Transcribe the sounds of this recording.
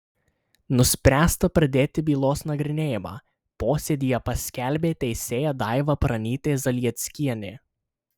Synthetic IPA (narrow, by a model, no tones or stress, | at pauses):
nʊsʲpʲɾʲæːst̪ɐpɾɐd̪ʲeːt̪ʲɪbʲiːlˠoːsnɐɡɾʲɪnʲeːjɪmɑ̰ː | poːsʲɛd̪ʲiːjɛpɐsʲkʲæˑlʲbʲeːt̪ʲɛɪsʲeːjɛd̪ɑˑɪʋɐpɾɐnʲiːt̪ʲejzɐlʲiɛt̪ʲsʲkʲiɛnʲe